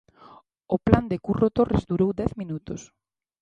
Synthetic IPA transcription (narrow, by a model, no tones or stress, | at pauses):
ʊpland̪ɪkurot̪orezd̪uɾowd̪ɛθminut̪os